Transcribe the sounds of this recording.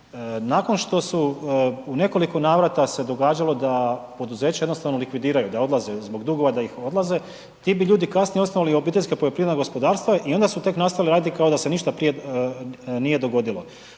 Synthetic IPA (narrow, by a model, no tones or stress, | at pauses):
naːko̞nʃt̪o̞suune̞ko̞liko̞naːʋɾat̪ase̞d̪o̞ɡaːd͡ʑalo̞d̪apo̞d̪uze̞ːt͡ɕajed̪nost̪aʋno̞likʋid̪iːɾajud̪ao̞d̪lˠaze̞zbo̞ɡd̪uɡo̞ʋad̪aixo̞d̪lˠaze̞ | t̪iːbiʎuːd̪ikasnijeo̞snoalio̞bit̪e̞ʎʲskapojopɾiːʋednaɡo̞spo̞d̪aːɾst̪vʋaʔio̞nd̪asut̪e̞knast̪ajaliɾaːd̪it̪ikaod̪ase̞niʃt̪apɾije̞ | nije̞d̪o̞ɡo̞d̪ilˠo̞